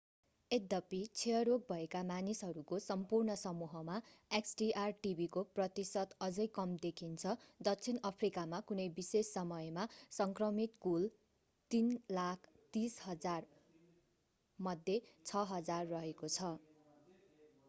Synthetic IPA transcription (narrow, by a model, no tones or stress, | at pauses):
ed̪ʌpit͡sʰeʌɾok̚bʱʌekamanisɦʌɾukosʌmpurnʌsʌmuɦʌmaeksɖiʔarʈibʱikoprʌt̪isʌt̪ʌd͡zʌjkʌmd̪ekʰint͡sʰʌd̪ʌk̚t͡sʰinʌpʰrikamakunʌjbisesːʌmʌjmasʌŋkrʌmit̪kul | t̪inlakʰ | t̪isɦʌd͡zar | mʌd̪ʱjet͡sʰʌɦʌd͡zarːʌɦekot͡sʰʌ